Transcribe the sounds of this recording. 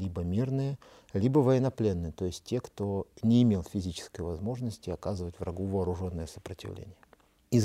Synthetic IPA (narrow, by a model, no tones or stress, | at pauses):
lʲibəmʲirnɨjə | lʲibəvəjɪnɐplʲenːɨjət̪o̞jɪsʲt̚ʲtʲːekt̪o̞nʲɪːmʲelˠfʲɪzʲit͡ɕɪ̥skəjvɐzmo̞ʐnəsʲtʲɪɐkazɨvətʲvɾɐ̰ɡuvɐːɾʊʐo̞nːəjəsə̥pɾətʲɪ̰vlʲḛnʲɪjə | ɪz